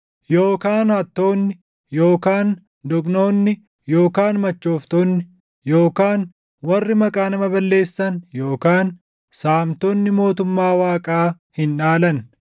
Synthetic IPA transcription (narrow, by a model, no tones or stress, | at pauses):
jo̞ːkaːnhɐt̪ːo̞ːnːɪ | jo̞ːkaːn | d̪ɔkno̞ːnːɪ | joːkaːnmɐt͡ʃːo̞ːft̪oːnːɪ | joːkaːn | wɐrːɪmɐkʼaːnɐmɐbɐlːe̞ːsːɐnjo̞ːkaːn | saːmt̪oːnːɪmo̞ːt̪ʊmːaːwaːkʼaː | hɪnᶑaːlɐn